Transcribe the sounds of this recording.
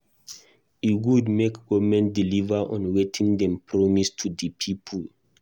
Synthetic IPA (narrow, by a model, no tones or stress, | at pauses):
iwudmekɡɔvmɛ̃ndilivaʔɔ̃nwetʰĩŋdɛ̃mpʰɹɔmistʰudəpʰipʰul